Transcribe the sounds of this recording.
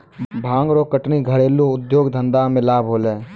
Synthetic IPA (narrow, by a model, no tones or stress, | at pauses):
bʱãːŋɡɾoːkəʈniːɡʱəɽeːlũːʊd̪joːɡd̪ʱə̃nd̪aːmɪlaːbʱoːleː